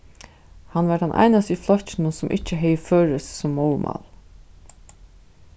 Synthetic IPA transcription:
hanʋaʈ̪anʔa̰jnast̪iflɔht͡ʃɪnʊnsʊmʔɪht͡ʃːəɦɛjføːɹɪssɔmːowmʔa̰l

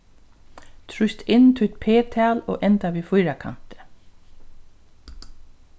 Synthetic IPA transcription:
t̪ʰɹʊjst̪ɪnːt̪ʰʊt̪pʰeːt̪ʰæːlo̰ːʔɛnt̪aʋiːfʊjɾakʰa̰m̥t̪ə̥

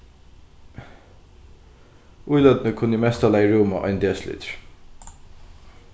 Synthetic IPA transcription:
ʔujlœd̪nəkʰʊnːimɛst̪alæɪɹuːmaʔɔ̰ʏnd̪eːslʏ̰t̪ɹ̥

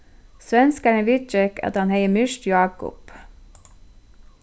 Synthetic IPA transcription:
sʋɛnskæɳəʋɪt͡ʃɛkʰɑ̰t̪hɑnheɪəmʏʃtjɑːkʊ̰p

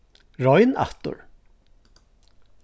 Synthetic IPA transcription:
ɹɔjna̰ht̪ʊ̰ɹ

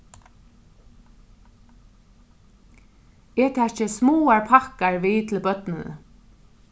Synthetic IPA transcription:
ɛɹt̪ʰɛːt͡ʃəsmuːaɹpʰakaɹʋiːt̪ʰɪlbœt̪nəð̰

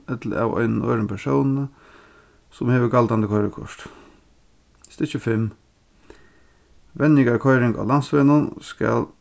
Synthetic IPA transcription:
ɛt̪la̰ːwa̰ɪnnɔ̰ɾəmpʰɛʂoːwnnə | sʊmheːʋəɡald̪and̪əkʰɔɪɾəkʰɔ̰ʂt̪ | st̪ɪt͡ʃəfɪm | ʋɛnɪɡaɾkʰɔjɾɪŋɡa̰ːlansʋeːnʊnskæ̰l

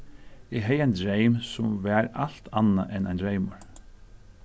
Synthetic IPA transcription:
ɪɦɛjajnd̪ɾejmsʊmvæːɾal̥t̪ʰanːa̰ʔɛna̰jnd̪ɾejmʊɹ

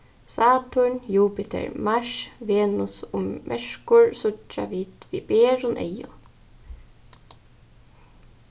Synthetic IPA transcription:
saːt̪ʰʊɳjuːpɪt̪ʰɛ̰ɹmaʃʋeːnʊsʊmʔɛʂkʊɹsʊt͡ʃːa̰ʋiːt̪ʋiːbeːɹʊnʔḛjʊ̰

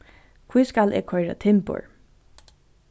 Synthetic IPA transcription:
kʰvujskalɛ̰ːɡkʰɔjɾa̰t̪ʰɪmpʊ̰ɹ

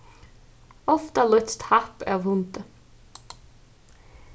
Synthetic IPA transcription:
ɔft̪alʏt̪st̪hapɑ̰ːʋhʊnt̪ə

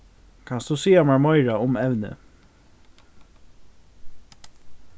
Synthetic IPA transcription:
kʰansd̪usiːamaɹmɔɪɹaʊmɛʋnə̰

